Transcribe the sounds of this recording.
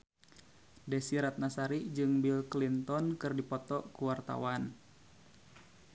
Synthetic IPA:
dɛsiɾat̪̚nasaɾid͡ʒɨŋbilklint̪ɔnkɨrdipɔt̪ɔʔkuwart̪a̰wan

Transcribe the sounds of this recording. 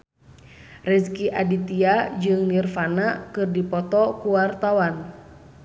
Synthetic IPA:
rɛskiʔadit̪iad͡ʒɨŋnirfanakɨrdipɔt̪ɔkuwart̪awan

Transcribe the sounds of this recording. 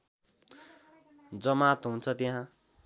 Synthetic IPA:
d͡zʌmat̪ɦunt͡sʰʌt̪iɦã

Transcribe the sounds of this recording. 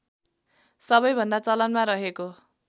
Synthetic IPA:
sʌbʌjbʱʌnd̪at͡sʌlʌnmaɾʌɦeko

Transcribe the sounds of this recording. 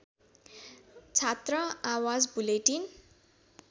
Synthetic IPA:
t͡sʰat̪rʌawad͡zbuleʈin

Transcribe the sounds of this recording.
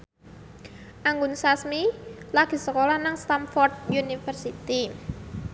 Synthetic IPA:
ʔaŋɡʊnsasmilaɡ̥i̤səkolanaŋst̪amfɔrt̪̚junifərsit̪i

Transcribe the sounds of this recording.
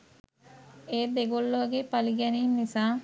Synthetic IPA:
eːd̪eɡolːoɡepaliɡɛniːmnisaː

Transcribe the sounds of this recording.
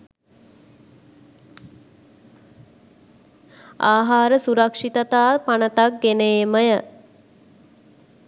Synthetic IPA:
aːɦaːɾəsuɾəkʂit̪ət̪aːpanət̪ak̚ɡeneːməjə

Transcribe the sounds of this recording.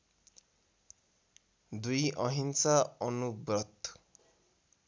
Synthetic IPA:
d̪ujɔɦinsaɔnubɾɔt̪

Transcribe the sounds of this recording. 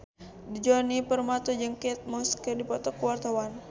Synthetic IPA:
did͡ʒɔnipərmat̪ud͡ʒəŋkɛt̪̚mɔskərdipɔt̪ɔkəwart̪awan

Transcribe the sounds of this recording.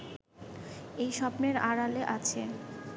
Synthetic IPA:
ejʃɔpneɾaɾaleʔat͡ɕʰe

